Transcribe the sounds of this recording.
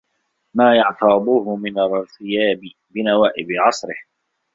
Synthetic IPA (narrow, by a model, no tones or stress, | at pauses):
maːjɑʕt̪ɑb̪uːhʊmɪnaɾlθɪjaːbɪ | bɪnawaːʔɪbɪʕɑsˤɾɪh